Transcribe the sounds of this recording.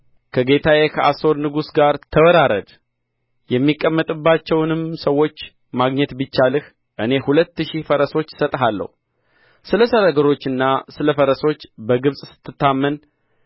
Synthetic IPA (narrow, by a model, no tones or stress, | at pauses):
kʰəɡe̞t̪ʰajekʰəʔaso̞ɾnɨɡusɡaɾt̪ʰəwəɾaɾə̰d̪ | jɛmːikʼːəmːət̪ʼɨbːat͡ʃːɛwnɨmsəwːo̞t͡ʃː | maɡɲɛt̪bɨt͡ʃːalɨh | ʔɨne̞hulət̪ːɨʃifəɾəso̞t͡ʃːsət̪ʼɦalːə̰hu | sɨləsəɾaɡəɾo̞t͡ʃːɨnːasɨləfəɾəso̞t͡ʃːbəɡɨβsʼsɨ̥t̪ʰːɨt̪ːamːən